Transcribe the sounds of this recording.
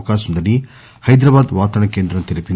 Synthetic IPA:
kaːsɐmd̪ɐɽi | hɐjd̪ɾɐbaːd̪ʋaːt̪ɐɳɐkeːnd̪ɾɐmt̪iɾɐpin

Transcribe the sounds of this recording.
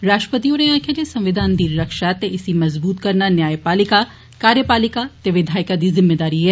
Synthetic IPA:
ɾaːsʃʈɾəpət̪ioːnẽãːkʰjad͡ʒesɐ̃mʋɪd̪ʱaːnd̪iːɐkʃaːt̪eʔɪsimɐzbuːt̪kɐɾnanjaːjpaːlɪka | kaːɾjəpaːlɪkat̪eʋɪd̪ʱaːɪkad̪izɪmːeːd̪aːɾiɦɛː

